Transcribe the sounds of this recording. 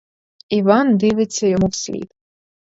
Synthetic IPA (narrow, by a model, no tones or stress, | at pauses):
iʋɑnd̪ɪʋɪt͡sʲːɐjɔmuwsʲlʲḭd̪